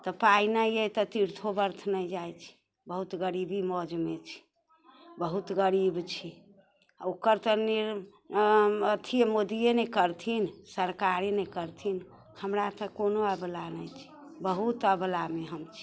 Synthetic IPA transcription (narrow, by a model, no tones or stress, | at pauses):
t̪ɔpainəjet̪ɔt̪iɾt̪ʰobəɾt̪ʰnəjd͡ʒajt͡ʃʰi̥ | bəɦut̪ɡəɾibimɔd͡ʒmet͡ʃʰi̥ | bəɦut̪ɡəɾibt͡ʃʰi | okəɾt̪əniɾ | ət̪ʰimod̪ijenɛkəɾt̪ʰinsəɾkaɾinɛkəɾt̪ʰin | həmɾat̪əkonoəblanəjt͡ʃʰi̥bəɦut̪əblameɦəmt͡ʃʰi̥